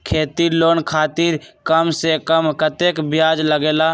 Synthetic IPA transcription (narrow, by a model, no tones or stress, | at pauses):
kʰeːt̪iɾloːnkʰaːt̪iɾkəmsekəmkət̪eːkbjaːd͡ʒləɡeːlaː